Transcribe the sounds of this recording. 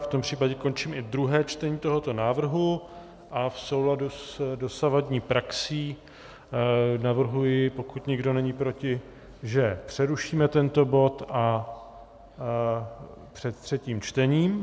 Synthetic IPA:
ft̪ompr̝̥iːpaɟɛko̞nt͡ʃiːmɪd̪ɾuɦɛːt͡ʃt̪ɛɲiːt̪o̞ɦo̞t̪o̞naːvr̩ɦu | ʔafso̞wladusdo̞savadɲiːpɾaksiː | navr̩ɦujɪpo̞kut̪ɲɪɡdo̞nɛɲiːpɾo̞cɪ | ʒɛpr̥ɛɾuʃiːmɛt̪ɛnt̪o̞bo̞t̪ʔa | pr̥ɛt̪̚t̪r̥ɛciːmt͡ʃt̪ɛɲiːm

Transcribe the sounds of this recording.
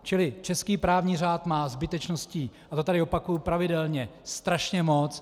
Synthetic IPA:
t͡ʃɪlɪt͡ʃɛskiːpɾaːvɲiːr̝aːt̪maːzbɪt̪ɛt͡ʃnosciːʔat̪o̞t̪adɪopakujupɾavɪdɛlɲɛst̪ɾaʃɲɛmo̞t͡s

